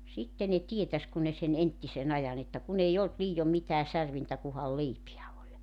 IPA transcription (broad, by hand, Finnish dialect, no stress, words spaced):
sitːe ne tietæs kun ne sen entːisen ɑjɑn etːæ kun ei olt liːjom mitæː særʋintæ kuhɑl leipiæ olʲ